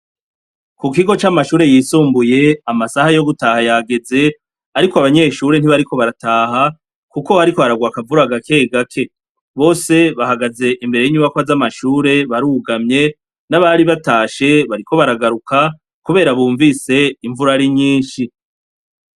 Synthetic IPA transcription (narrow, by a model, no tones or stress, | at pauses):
kuk̬iɡo̞t͡ʃamaʃuːɾe̞jiːsuːmbuje̞amasahajo̞ɡutahajaɡe̞ze̞ | aɾikoaβaɲe̞ːʃuːɾe̞n̥iβaɾiko̞βaɾataːɦa | kuko̞haɾiko̞aɾaɡwaːkavuɾaɡake̞ɡakʰe̞ | βo̞ːse̞βahaɡaze̞ʔimbe̞ɾe̞jiɲuβakwazamaʃuːɾe̞βaɾuɡamɲe̞ | naβaɾiβataːʃe̞βaɾikʰo̞βaɾaɡaɾukʰa | kuβe̞ːɾaβuːɱvise̞iɱvuɾaɾiɲiːnʃi